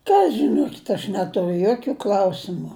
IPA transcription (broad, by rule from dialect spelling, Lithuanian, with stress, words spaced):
ˈkɐ ʒʲɪˈnoːkʲɪtʲ ɐʃ ˈnʲæːtʊrʲʊ ˈjoːkʲʊ ˈklˠɐʊsʲɪmʊ